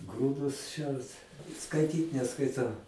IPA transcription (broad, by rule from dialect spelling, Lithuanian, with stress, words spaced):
ˈɡruːdʊs ˈʃʲɛrt skɐɪˈtʲiːt nʲɛskɐɪˈtɐʊ